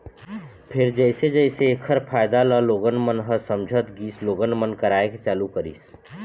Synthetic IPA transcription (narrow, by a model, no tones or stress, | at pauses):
pʰɪɾd͡ʒəɪsed͡ʒəɪseːkʰəɾpʰaːɪd̪aləloːɡənmənɦəsəmd͡ʒʱət̪ɡiːsloːɡənmənkəɾaːeket͡ʃaːlukəɾḭːs